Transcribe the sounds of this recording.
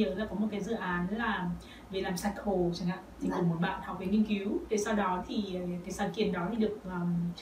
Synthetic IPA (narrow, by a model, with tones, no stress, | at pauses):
əː˨˦laː˨˩kɔ˨˦mo˨˩t̚kaː˨˦jzɨ̰˧˨ʔaː˨˦n˨˦laː˨˩ | ve˨˩laː˨˩msa˧˩jkxo˨˩t͡ɕa˨˧˩ŋa̰ː˧˨t̪ʰi˨˩kʊ˨˧˩ŋ͡mmo˨˦t̚ɓa̰ː˧˨nha˨˩k͡p̚və˨˦ŋi˧ənki˨˦wve˧˩sa˧wɗɔ˨˦t̪ʰi˨˩˨kaː˨˦jsaː˨˦nkḭ˧˩ənɗɔ˨˦t̪ʰi˨˩ɗɨ˨˩ək̚ʔəː˨˩